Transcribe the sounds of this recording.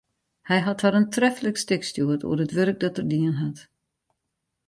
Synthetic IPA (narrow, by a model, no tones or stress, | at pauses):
hɛjɦathaɾəntrɛfələkstɪkstjuətṵərətʋørk̚dɔtərdiənɦat